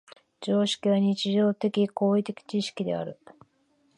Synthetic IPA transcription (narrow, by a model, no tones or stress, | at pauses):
d͡ʑo̞ːɕi̥kʲiβaɲ̟it͡ɕiʑo̞ːt̪e̞kʲiko̞ːit̪e̞kʲi̥t͡ɕiɕi̥kʲid̪e̞̰a̰ɾɯ̟